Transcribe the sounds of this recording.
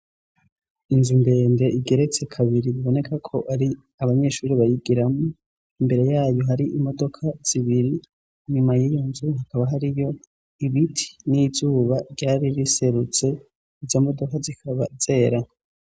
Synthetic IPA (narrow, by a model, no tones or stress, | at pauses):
inzumbe̞ːnde̞ʔiɡe̞ɾe̞t͡se̞kʰaβiɾiβiβo̞ne̞kʰakʰo̞ʔaɾi | aβaɲe̞ːʃuːɾiβajiɡiɾamo | imbe̞ɾe̞jaːjo̞ɦaɾiʔimo̞do̞kʰaz̥iβiɾi | ɲumajiːjo̞nzuhakaβaɦaɾijo̞ | iβitʰi̥nizuːβaɾɟaːɾiɾise̞ɾut͡se̞ | izomo̞do̞kazikʰaβa̰ze̞ːɾa